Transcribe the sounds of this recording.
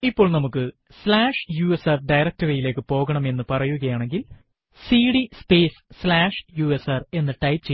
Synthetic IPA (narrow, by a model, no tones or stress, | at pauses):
ipːo̞ːɭnɐmukːɨ | slaːʂjuːesɐrɖɐjɾɐk̚tɐrɐjile̞ːkːɨpo̞ːɣɐɳɐme̞nːɨpɐrɐjuɣɐjaːɳe̞ŋɡil | siːɽispeːsslaːʂjuːesɐre̞nːɨʈɐjtt͡ɕe